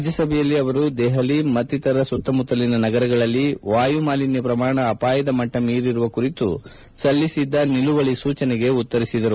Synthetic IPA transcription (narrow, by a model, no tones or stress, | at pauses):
ad͡ʒjɐsɐbʱɛjɐlːiɐʋɐɾud̪ɛɦɐlimɐt̪ːit̪ɐɾɐsut̪ːɐmut̪ːɐlinɐnɐɡɐɾɐɡɐɭɐlːiʋaːjumaːlinɐpɾɐmaːɳɐːpaːjɐd̪ɐmɐʈːɐmiːɾiɾuʋɐkuɾit̪u | sɐlːisid̪ːɐniluʋɐɭisuːt͡ʃɐnɛɡe̞ut̪ːɐɾisid̪ɐɾu